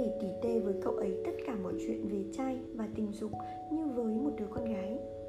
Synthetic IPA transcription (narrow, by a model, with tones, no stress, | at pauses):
e˧˩t̪i˧˩t̪e˧vəː˨˦jkə̰˧˨wʔə˨˦jt̪ə˦˥t̚kaː˧˩mɔ̰˧˨jt͡ɕwḭ˧˨ənve˨˩t͡ɕaː˧jvaː˨˩t̪ï˨˩ŋ̟zʊ˨˩k͡p̚ | ɲɨ˧vəː˨˦jmo˨˩t̚ɗɨ˨˦əkɔ˧nɣaː˨˦j